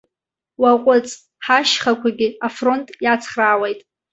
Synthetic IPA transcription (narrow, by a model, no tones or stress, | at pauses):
waqʷʼʊt͡sʼ | ħaʃχakʷʰaɡʲɪafro̞ntʼjat͡sʰχraːwejtʼ